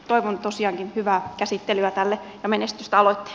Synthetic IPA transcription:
t̪oiʋont̪osiɑːŋkinhyʋæːkæsit̪ːelyæt̪ælːejɑmenest̪yst̪æɑloit̪ːi̥

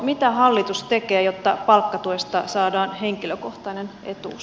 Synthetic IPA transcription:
mit̪æɦɑlːit̪ust̪e̞keːjot̪ːɑpɑlkːɑt̪uest̪ɑsɑːdɑːnɦeŋkiløko̞ht̪ɑnenḛt̪ṵː

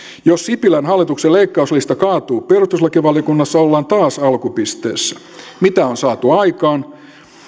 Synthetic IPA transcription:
jossipilænɦɑlːit̪ukseleikːɑuslist̪ɑkɑːt̪uːperust̪ːuslɑkiʋɑljokunːɑsːɑolːɑːnt̪ɑːsɑlkupist̪ḛːsːæ̥ | mit̪æonsɑːt̪uɑikɑːn

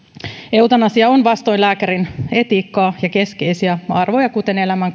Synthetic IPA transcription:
eut̪ɑnɑsiɑonʋɑst̪o̞jnlæːkæɾine̞t̪iːkːɑːjɑke̞ske̞jsiæɑrʋo̞jɑkut̪e̞ne̞læmæŋ

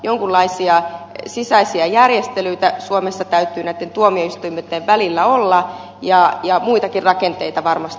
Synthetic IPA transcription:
joŋkulːɑisiɑsisæisiɑjærjest̪elyit̪æsuomesːɑt̪æyt̪ːˑyːnæit̪ːent̪uomioist̪uimet̪ːeʋʋælilːæolːɑ | jɑjɑmuit̪ɑkirrɑkent̪eit̪ɑʋɑrmɑst̪

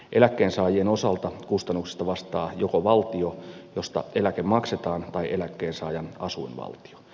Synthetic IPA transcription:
ʔelækːeːnsɑːjieno̞sɑlt̪ɑkust̪ɑnːuksi̥st̪ɑʋɑst̪ɑːjokoʋɑlt̪iojo̞st̪ɑ̰ʔe̞lækemmɑkset̪ɑːnt̪ɑiʔelækːeːnsɑːjɑnɑsuinʋɑ̰lt̪i̥o̥

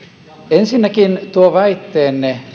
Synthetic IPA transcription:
ensinːækint̪uoʋæit̪ːeːnːe

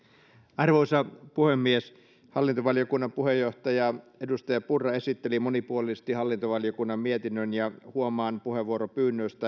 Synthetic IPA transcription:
ɑrʋoisɑpuhemːies | hɑlːint̪oʋɑljokunːɑmpuhejːoht̪ɑjɑedust̪ɑjɑpurːɑe̞sit̪ːelimonipuolisest̪ihɑlːint̪oʋɑljokunːɑmmiet̪inːønjɑhuomɑːnpuheʋuoɾopyːnːøːst̪æ

